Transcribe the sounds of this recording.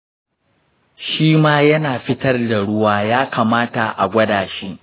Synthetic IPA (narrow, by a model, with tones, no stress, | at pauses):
ʃiː˦maː˦jɐ˦naː˨ɸɪ˦tɐ˦rda˨ɽʊ˦waː˦jaː˦kaː˨maː˦ta˨ʔa̰˨ɡʷɐ˦daː˨ʃiː˦ʔ